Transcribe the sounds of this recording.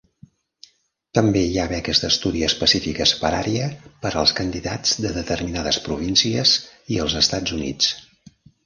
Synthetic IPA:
t̪əmbeiaβɛkəzd̪əst̪uðiəspəsifikəspəɾa̰ɾiəpəɾəlˠskənd̪iða̰d͡zd̪əðət̪ərminaðəspɾuβ̞insiəziəlˠzəst̪ad͡zunḭt͡s

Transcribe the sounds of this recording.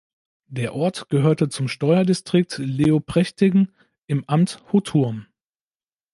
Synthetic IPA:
d̥eːɐʔɔɐtɡ̥əɦøːɐtət͡sʊmʃtɔʏɐdistʁ̥ɪk̚tleːopʁ̥ɛçtɪɡŋ̩ | ʔɪmʔamthotʰuɐm

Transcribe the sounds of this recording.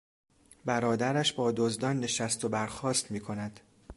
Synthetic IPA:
bæɾɒːd̪æɾæʃbɒːd̪ozd̪ɒːnːe̞ʃæst̪o̞bæɾxɒːst̪miːkʰo̞næd̪̥

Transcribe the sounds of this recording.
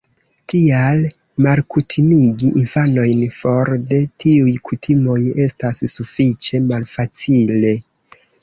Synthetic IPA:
tial | malkutʰimiɡiʔinfano̞jnfo̞ɾde̞tiujkʰutʰimo̞je̞stasːufit͡ʃe̞malfat͡sile̞

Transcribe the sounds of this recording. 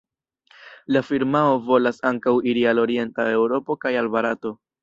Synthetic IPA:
lafiɾmao̞vo̞lasaŋkawiɾialo̞ɾie̞ntae̞wɾo̞po̞kajalbaɾato̞

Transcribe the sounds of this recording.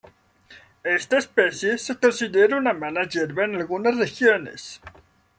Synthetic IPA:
est̪aespesjesekonsiðeɾaunamanaʝeɾβaenalɣunasrexjo̞nḛs

